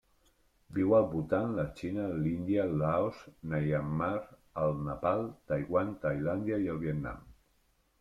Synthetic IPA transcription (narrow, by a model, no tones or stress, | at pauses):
biwəlˠβult̪anlat͡ʃinalind̪jalaosnajamːaɾəlˠnapalˠt̪ajɣwant̪ajland̪jaiəlˠβiət̪na̰m